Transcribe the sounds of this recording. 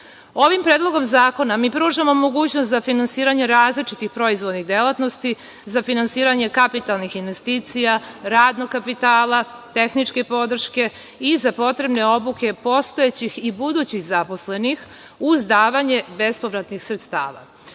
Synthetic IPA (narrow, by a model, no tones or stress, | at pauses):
o̞ʋimpɾeːd̪lˠo̞ɡo̞mzaːko̞namiːpɾuːʒamo̞mo̞ɡuːt͡ɕnost̪zafinansiːɾaɲe̞ɾaːzlit͡ʂit̪ixpɾo̞izʋo̞d̪niɣd̪e̞lˠat̪no̞st̪i | zafinansiːɾaɲe̞kapit̪alˠnixinʋe̞st̪iːt̪sijaɾaːd̪noɡkːapit̪aːlˠa | t̪e̞xnit͡ʂke̞po̞d̪r̩ʃke̞ | izapo̞t̪ɾe̞bne̞o̞buke̞po̞st̪o̞et͡ɕixibud̪uːt͡ɕiɣzapo̞sle̞nix | uzd̪aːʋaɲe̞be̞spo̞ʋɾat̪nixsɾet̪st̪a̰ːʋa̰